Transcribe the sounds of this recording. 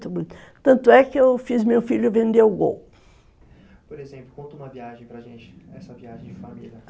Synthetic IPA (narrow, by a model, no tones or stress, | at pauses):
t̪ɐbuit̪ | t̪ɐ̃nt̪ʊɛkɪewfizmewfiʎʊɪvẽnd̪eʊɡo̰w | poɾezẽplʊkõnt̪ʊũmɐviaʒẽj̃pɾaʒẽnt͡ʃɪ̥ɛsɐviaʒẽj̃d͡ʒɪfamḭlʲɐ